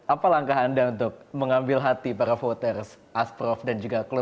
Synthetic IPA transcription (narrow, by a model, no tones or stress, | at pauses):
ʔapalaŋkaɦandaunt̪ʊk̚məŋambɪlɦat̪ipaɾafot̪ərs | ʔaspɾɔfdand͡ʒuɡaklu